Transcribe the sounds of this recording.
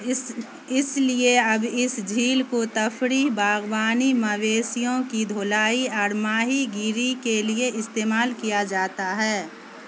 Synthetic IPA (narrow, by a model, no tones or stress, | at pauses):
ɪslieɐbɪsd͡ʒʱiːlkot̪ɐfʰɾiːɦbaːɡbaːnimɐʋeːsijõkid̪ʱoːlaːiaːɾmaːɦiɡiːɾikelieʔɪst̪eːmaːlkijad͡ʒaːt̪aɦɛː